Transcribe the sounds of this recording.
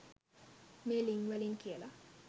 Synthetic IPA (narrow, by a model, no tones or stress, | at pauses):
meliŋwɛliŋkiela